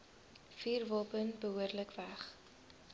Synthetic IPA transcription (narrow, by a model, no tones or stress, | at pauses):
fiːrvɔlˠpənbəɦuərdləkvæχ